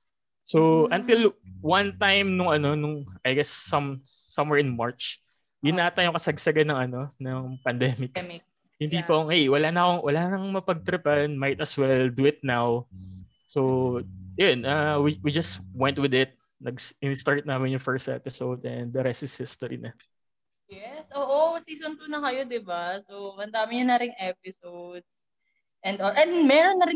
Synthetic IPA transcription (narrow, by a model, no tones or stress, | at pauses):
sowʔɐnt̪ɪlwɐ̃nt̪ajmnʊŋɐno̞nʊŋɐjɡɛsːɐmː | ɐ̃mwɛɹɪnmaɹt͡ʃ | jʊnːaːt̪ajʊŋkɐsɐɡsɐɡɐnɐŋɐno̞nɐŋpɐnd̪ɛːmɪk | jʊŋpiːpɐŋhɛjwɐlanɐkoŋwɐlaːnɐkoŋmɐpɐɡ̚t̪ɾɪpanmajt̪ɐswɛld̪uɪt̪̚naw | sowjʊnʔɐwiwid͡ʒɐswɛ̃nt̪wɪd̪ɪt̪̚ | nɐɡsɪnɪst̪aɹt̪̚naːmɪnjʊŋfɛɹst̪ʔɛ̰pɪsowd̪ʔɛnd̪ːɐɾɛst̪ɪshɪst̪oɾḭnɐ | jɛsʔoːʔosiːsonp̪ʊnɐkɐjod̪ɪbasowɐnd̪aːmɪɲɐnɐɾɪŋʔɛpɪsowd̪̚s | ʔɛnd̪olʔɛnd̪mɛːɾonːɐɾɪ